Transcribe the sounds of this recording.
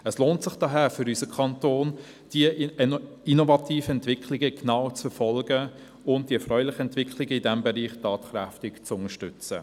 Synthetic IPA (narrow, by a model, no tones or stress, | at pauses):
əsloːntsɪχd̥ɑːɦæːfʏɾysəkʰɑntoːn | d̥i | inovɑtʰiːfəɛntvɪkʰlɪɡəknaʊt͡sfɛfɔlɡə | ʊnt̚d̥iɛfrœʏlɪχəɛntv̥ɪkʰlɪɡəidɛmbɛɾiːχtɑːtχɾɛftɪkt͡sʊŋəʃtʏt͡sə̰